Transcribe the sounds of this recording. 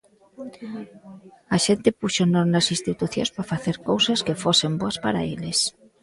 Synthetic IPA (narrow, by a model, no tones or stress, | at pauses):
ɐʃent̪ɪpuʃonoɾnɐsinst̪it̪uθjõ̰nspafaθeɾkowsɐskefosemboɐspaɾa̰eles